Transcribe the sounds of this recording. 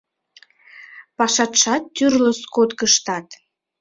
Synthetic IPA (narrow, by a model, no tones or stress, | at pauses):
pɑʃɑt̪ʃɑt̪ːyrləskot̪kəʃt̪ɑt̪